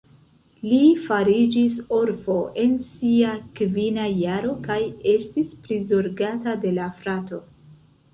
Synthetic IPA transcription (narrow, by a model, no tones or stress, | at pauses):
lifaɾid͡ʒisoɾfo̞ʔe̞nsiakvinajaɾo̞kaje̞stispɾizo̞ɾɡatade̞lafɾato̞